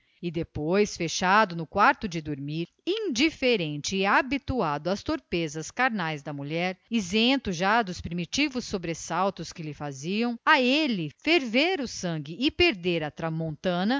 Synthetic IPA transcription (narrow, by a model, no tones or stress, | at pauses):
ɪd̪epojsfeʃad̪ʊnʊkwaɾt̪ʊd͡ʒɪd̪oɾmiɾ | ĩd͡ʒifeɾẽnt͡ʃɪːabit̪uad̪ʊɐst̪oɾpezɐskaɾnajzd̪ɐmuʎɛɾizẽnt̪ʊʒad̪ʊspɾimit͡ʃivʊsːobɾesawt̪ʊskɪlɪfaziɐ̃w̃aelɪfeɾveɾʊsɐ̃ŋɡɪɪpeɾd̪eɾɐt̪ɾɐmõnt̪ɐ̃nɐ